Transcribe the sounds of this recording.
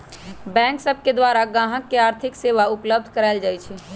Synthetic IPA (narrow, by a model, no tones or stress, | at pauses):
bɛ̃ːksəb̚ʱked̪waɾaɡãːɦə̃kːeaːɾt̪ʰɪkseːʋaʊpləb̚d̪ʱkəɾaɪld͡ʒaːjt͡ʃʰɛ